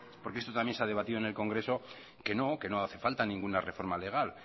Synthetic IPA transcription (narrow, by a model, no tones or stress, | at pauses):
po̞ɾkeest̪o̞t̪amje̞nseað̞e̞β̞at̪iðonelko̞ŋɡɾe̞so̞ | ke̞no̞ke̞no̞aθe̞falt̪anĩŋɡunare̞fo̞ɾmale̞ɣ̞al